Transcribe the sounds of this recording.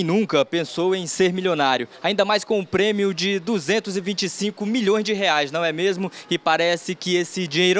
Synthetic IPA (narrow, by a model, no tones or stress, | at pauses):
nũkɐpẽsowẽj̃seɾmilʲjonaɾjʊaĩnd̪ɐmajskõʊ̃pɾẽmiʊd͡ʒɪd̪uzẽnt̪ʊzɪvĩt͡ʃɪsĩkʊmiʎõj̃zd͡ʒɪɦeajsnɐ̃w̃ɛmezmʊɪpaɾɛsɪkɪesɪd͡ʒiɲejɾ